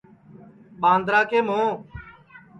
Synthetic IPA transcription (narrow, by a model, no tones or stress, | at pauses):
ɓãːnd̪ɾaːkeːmõː